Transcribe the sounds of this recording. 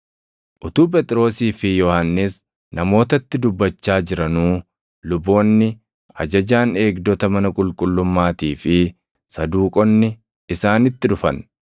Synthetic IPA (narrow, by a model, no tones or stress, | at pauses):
ʔʊt̪uːp̬ɛt̪ʼɾo̞ːsiːfɪjɔhanːɪs | nɐmo̞ːt̪ɐt̪ːɪd̪ʊbːɐt͡ʃːaːd͡ʒɪɾɐnuː | lʊbːo̞ːnːɪ | ɐ̰d͡ʒɐd͡ʒaːne̞ːɡd̪ɔt̪ɐmɐnɐkʼʊlkʼʊlːʊmːaːt̪iːfɪ | sɐd̪uːkʼɔnːɪː | saːnɪt̪ːɪᶑʊfɐ̰n